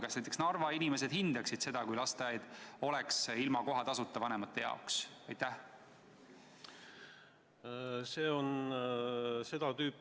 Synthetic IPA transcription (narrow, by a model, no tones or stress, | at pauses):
kɑsnæjt̪eksnɑrvɑinime̞s̬e̞d̪̥hind̪ɑksid̪̥se̞d̪̥ɑkujlɑst̪ejɑjd̪̥o̞lɛksilmɑko̞ɦɑt̪ɑsut̪ːˑɑvɑnemɑt̪ːe̞jɑ̰oksɑjt̪ːˑæh | seːon | se̞d̪̥ɑt̪yːpː